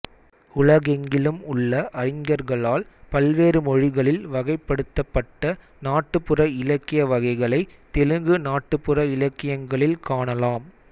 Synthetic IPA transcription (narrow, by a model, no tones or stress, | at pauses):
ʊɭɐɣɛŋɡɪlɯmʊɭːɐʔɐɾɪɲɡɐɾɣɐɭaːlpɐlʋeːɾɯmɔɻɪɣɐɭɪlʋɐɣɐɪpːɐɽɯt̪ːɐpːɐʈːɐ | naːʈːɯpːɯrɐɪlɐkːɪjɐʋɐɣɐɪɣɐɭɐɪt̪ːɛlɯŋɡɯnaːʈːɯpːɯrɐɪlɐkːɪjɐŋɡɐɭɪlkaːɳɐlaːm